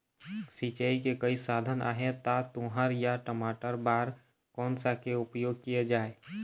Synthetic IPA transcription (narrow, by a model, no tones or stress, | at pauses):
sit͡ʃaikekəisaːd̪ʱənʔa̰ɦet̪at̪ʊɦəɾjaʈəmaːʈəɾbaːɾ | kɔːnsakeʊpjoːɡ̚kijad͡ʒaːe